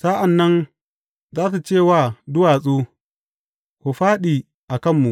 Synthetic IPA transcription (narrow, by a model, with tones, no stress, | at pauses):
saː˦ʔa˨nːɐ˦n | zaː˦t̬a˨t͡ʃeː˦˨waː˦˨dʊ˦waː˨sʼuː˦ | kʷu˨ɸaː˦ɗiː˨ | ʔa˨kɐ˦mːu˨ʔ